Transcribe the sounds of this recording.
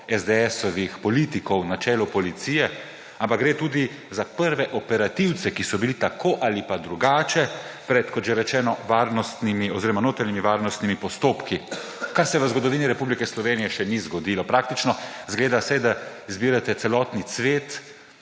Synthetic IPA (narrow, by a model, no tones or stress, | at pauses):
ɛzd̪eɛsɔʋixpɔlit̪ikɔwnat͡ʃɛːlɔpɔlit̪siːjɛ | ampakɡ̚ɾeːt̪uːd̪i | zapəɾʋɛʔɔpɛɾat̪iwt̪sɛkisɔbilit̪akʰoːʔalipad̪ɾuɡaːt͡ʃɛpɾɛt̪kɔt̪ʒeɾɛt͡ʃɛːnɔʋaːɾnɔst̪nimiɔziɾɔmanoːt̪ɾanimiʋaːɾnɔst̪nimipɔst̪oːpki | kaɾsɛʋəzɡɔd̪ɔʋiːniɾɛpublikɛslɔʋeːnijɛʃɛnizɡɔd̪iːlɔpɾaːk̚t̪it͡ʃnɔzɡleːd̪asɛjd̪a | izbiːɾat̪ɛt̪sɛlɔːt̪nisʋeːt̪